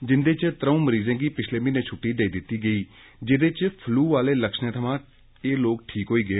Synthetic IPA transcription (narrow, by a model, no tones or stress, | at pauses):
d͡ʒɪnd̪eːt͡ʃt̪əɾəũːməɾiːzẽːɡiːpɪt͡ʃʰleːmĩːnẽːt͡ʃʰʊʈːiːɖeːiːd̪ɪt̪ːiːɡəiː | d͡ʒeːd̪eːt͡ʃpʰluːʋaːleːləkʃneːt̪ʰəʋãː | eːloːk̚ʈʰiːkɦoːiːɡəeː